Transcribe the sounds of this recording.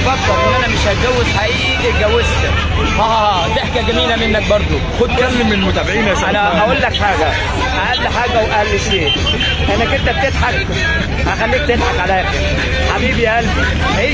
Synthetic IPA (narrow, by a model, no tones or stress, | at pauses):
fɑdd̪ˤːɑlʔenʔænæmeʃʔæɡæwːezħaʔiːʔʔiʔeɡæwːezt̪ | hæːhæh | t̪eħkæɡæmiːlæmenːæk̚bɑɾˤd̪ˤoxod̪̚kæmːemːenmot̪æbeʕiːnæsænæʔæʔolːækħaːɡæ | ʔæʔælːiħaːɡæwʔælːiʃeː | ʔænækont̪æb̚t̪ed̪ħak̚ | hæxælːiːk̚t̪ed̪ħɑkʕalæʔæxeɾ | ħabiːbiʔæli | he